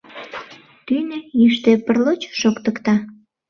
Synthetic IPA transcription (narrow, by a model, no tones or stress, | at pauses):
t̪ynejyʃt̪epərlot͡ɕʃokt̪ə̆kt̪ɑ